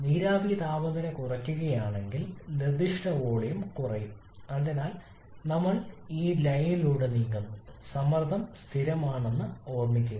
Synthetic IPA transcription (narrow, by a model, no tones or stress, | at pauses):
niːɾaːbit̪aːʋɐðɐnɐkurɐkʲːuɣɐjaːɳe̞ŋɡilnird̪iʂʈɐʋoːɭejumkurɐjum | ɐnd̪ɐnaːl | nɐmːɐɭiːlɐjnniluːɽeniːŋɡɐmsɐmɐrd̪ʱɐmst̪ʰiɾɐmaːɳenːɨo̞ːrmikʲːunːɐ